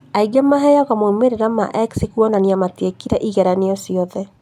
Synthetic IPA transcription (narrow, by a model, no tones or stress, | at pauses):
aiɡɛmaɦɛjaɣamomeɾeɾama̰ʔɛksikuɔnaniamatekiɾɛʔiɣɛɾaneɔsiɔðɛ